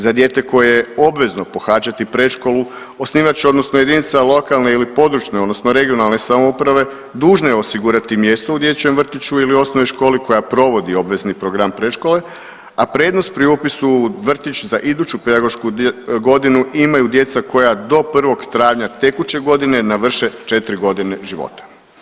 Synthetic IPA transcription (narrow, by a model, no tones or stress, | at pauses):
zad̪je̞ːt̪e̞ko̞jejeo̞bʋe̞zno̞po̞xaːt͡ʃat̪ipɾe̞ʃko̞lu | o̞sniːʋat͡ɕɛo̞d̪no̞snoje̞d̪init̪salˠo̞kalne̞ilipo̞d̪ɾut͡ʃneo̞d̪no̞snoɾe̞ɡio̞nalˠne̞samoupɾaʋe̞ | d̪uːʒnojeosiɡuɾat̪imje̞st̪oud̪je̞t͡ɕemr̩t̪it͡ɕuilio̞snoʋoʃko̞ːliko̞japɾo̞ʋo̞d̪io̞bʋe̞znipɾo̞ɡɾampɾeʃko̞le̞ | apɾed̪no̞st̪pɾiupisuʋr̩t̪it͡ɕzaʔid̪uːt͡ɕupe̞d̪aɡo̞ʃkuɡo̞d̪inuʔimajud̪je̞t̪sako̞jad̪o̞pr̩ʋo̞ɡt̪ɾaːʋɲat̪e̞kut͡ɕe̞ɡo̞d̪ine̞naʋr̩ʃe̞t͡ʃe̞t̪ɾiɡo̞d̪ine̞ʒiʋo̰t̪ḁ